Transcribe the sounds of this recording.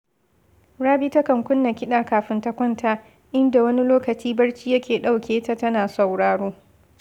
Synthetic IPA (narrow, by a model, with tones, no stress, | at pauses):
ɽaː˦biː˦tɐ˦kɐ˨ŋkʷʊ˦nːa˨kʲɪ˦ɗaː˨kaː˨ɸɪ˦ntɐ˦kʷɐ˦ntʰa˦ | ʔɪ˦nda˨wɐ˦ni˦loː˦kɐ˨t͡ʃiː˦bɐ˦ɽt͡ʃiː˦jɐ˦kʲʰeː˨ɗa˦wkʲeː˨ta˦tɐ˦naː˨sa˨wɽaː˨ɽoː˦